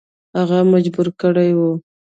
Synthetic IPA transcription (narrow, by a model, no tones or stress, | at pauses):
haɣamad͡ʒbuɾkəɽajwu